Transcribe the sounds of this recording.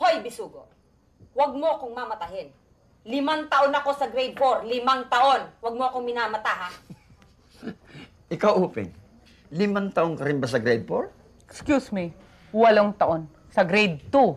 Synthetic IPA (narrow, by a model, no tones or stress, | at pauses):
hojbɪsuːɡoʔ | wɐɡ̚moʔɐkoŋmamɐt̪ahɪn | lɪmaŋt̪ɐʔonɐko̞sɐɡɾɛjd̪̚foɾlɪmaŋt̪ɐʔo̞nwɐɡ̚moɐkoŋmɪnaːmɐt̪aːɦa | ʔɪkawʔuːpɛ̰ŋ | lɪmaŋt̪ɐʔoŋkɐɾɪmbas̬ɐɡɾɛjd̪̚foɾ | ɛkskjusmi | wɐloŋt̪ɐʔo̞n | sɐɡɾɛjd̪̚t̪u